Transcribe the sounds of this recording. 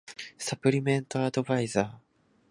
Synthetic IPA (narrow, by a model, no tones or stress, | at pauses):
sapɯ̟ɾʲimẽ̞nt̪oad̪o̞baizaː